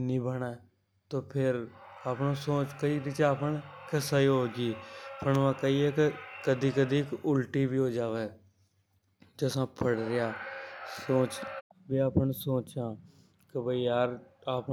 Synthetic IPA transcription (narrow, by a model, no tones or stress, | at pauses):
nĩːbənaː | t̪õːpʰɪɾaːpɳõːsoːt͡ʃkəiːɾɪt͡ʃaːpəɳkəsaːiɦoːɡiːpʰəɳʋãːkəiːɛːkɪkəd̪iːkəd̪iːkʊlʈiːbiːɦoːd͡ʒaːʋeː | d͡ʒəsãːpʰəɽɾɪjaːsoːt͡ʃ | biːaːpənsoːt͡ʃãː | kəbəiːjaːɾaːp